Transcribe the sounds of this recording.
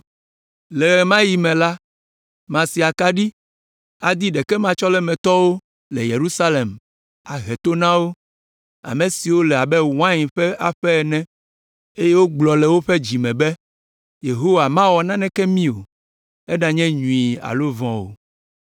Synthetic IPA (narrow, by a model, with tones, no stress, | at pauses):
lɛ˨mã˦ji˨mɛ̃˨la˦ | mã˨si˨a˨ka˦ɖi˦ | a˨d̪i˦ɖɛ˨kɛ˦mã˨t͡ʃɔ˦lɛ˦mɛ̃˨t̪ɔ˦wo˦ | lɛ˨je˨ɾu˦sa˦le˨m | a˨ɦɛ˨t̪o˦nã˦wo˦ | a̰˨mẽ˨si˨wo˦lɛ˨a˨bɛ˦w̃ã˦ɲ˨ɸɛ˦a˨ɸɛ˦ɛ˨nɛ̃˦ | e˦je˦wo˦ɡ͡blɔ˨lɛ˨wo˦ɸɛ˦d͡ʑi˨mɛ̃˨bɛ˦ | je˨ɦo˦wa˨mã˦wɔ˨nã˦nɛ̃˦kɛ˦mĩ˦o̰˨ | ɛ˦ɖa˨ɲɛ̃˦ɲũ˨i˨a̰˨lo˦vɔ̃˦wo̰˨